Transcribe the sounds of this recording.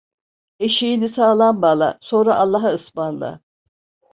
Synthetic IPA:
eʃijinisaːlˠanbaːlˠa̰so̞nɾaʔalˠːaɦaɯsmanlˠa̰

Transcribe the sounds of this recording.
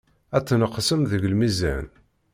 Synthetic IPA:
æt͡sːnəqːsəmðəʝəlmizæ̰n

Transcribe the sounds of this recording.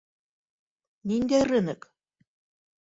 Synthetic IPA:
nʲinʲd̪ʲærɘnɘk

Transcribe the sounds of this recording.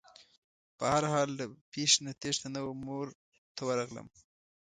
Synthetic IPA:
pəhaɾhɑld̪əpeʃnat̪eʒt̪anəwamoɾ | t̪ʰawaɾaɣlə̰m

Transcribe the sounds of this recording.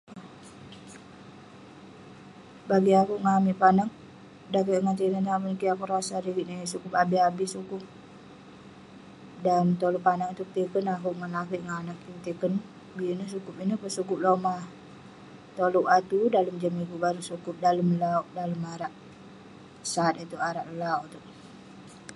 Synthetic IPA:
baɡiakuʔŋamiʔpanaŋ | dakəʔŋant̪inənapənkiakuɾasaɾiɡiʔnasukʊpabiɦabisukʊp̚ | dant̪oloʔpanaŋt̪uk̚t̪ikənakuʔŋanlakɛʔŋanak̚it̪ikən | biinəsukupinəpəsukʊp̚loma | t̪oluʔat̪udaləmd͡ʒamiɡubaɾusukʊp̚daləmlauʔdaləmaɾaʔ | sat̪̚it̪uʔaɾaʔəlauʔt̪uʔ̚

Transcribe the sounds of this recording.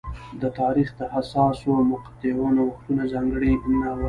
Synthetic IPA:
d̪ət̪ɑɾixd̪əhasɑswoamʊqat̪ɪwanawaxt̪unazɑŋɡəɽinawa

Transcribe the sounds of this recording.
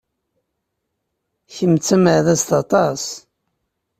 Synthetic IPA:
çəmt͡sːæməʕðæst̪ɑt̪ˤɑs

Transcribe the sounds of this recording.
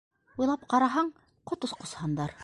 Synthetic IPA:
ujlˠɑp̚qɑɾɑɦɑɴ | qŏt̪osqŏshɑnd̪ɑɾ

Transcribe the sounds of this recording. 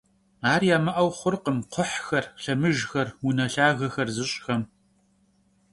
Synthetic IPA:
aːrjaːmɐʔɐwχʷʊrqəmqʷʰʊħxɐrɬɐmɨʒxɐrwunɐɬaːɣɐxɐrzɨɕʼxɐm

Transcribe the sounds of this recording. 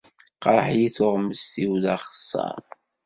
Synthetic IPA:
qɑɾˤħjiθoʁməsθiwðɑχə̥sˤːɑ̰ɾ

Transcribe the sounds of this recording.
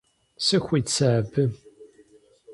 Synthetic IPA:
sɨxʷit͡sʰɐːbɨ

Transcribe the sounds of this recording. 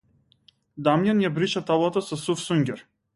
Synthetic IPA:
d̪amjanjabɾiʃat̪alˠat̪asɔsufsuŋɡʲɛɾ

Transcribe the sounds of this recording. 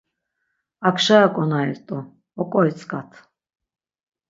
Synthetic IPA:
akʰʃajakʼɔnaiɾt̪ʼu | ɔkʼɔj̪t͡sʰʼkʼat̪ʰ

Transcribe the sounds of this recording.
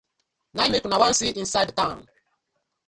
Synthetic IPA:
namekunawãnsiʔĩnsajdtãʊ̃n

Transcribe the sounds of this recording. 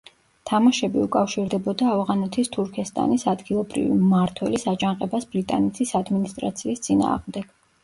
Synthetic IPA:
t̪ʰamaʃɛbiukʼafʃiɾd̪ɛbɔd̪aːvʁanɛt̪ʰist̪ʰuɾkʰɛst̪ʼa̰nisad̪ɡilˠɔbɾḭvḭmaɾt̪ʰwɛ̰lisad͡ʒaŋqʼɛbasbɾit̪ʼa̰nɛt̪ʰisad̪minist̪ʼɾa̰t̪sʰiːst̪sʼina̰ːʁmd̪ɛɡ̥

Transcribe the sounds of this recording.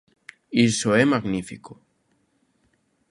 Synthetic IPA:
isoemaɣnifiko

